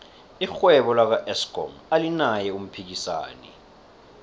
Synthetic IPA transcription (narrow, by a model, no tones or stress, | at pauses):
ixwɛɓɔlak̬aʔɛskɔ̰ŋalinajɛum̩pʰik̬isa̰ːnɛ̰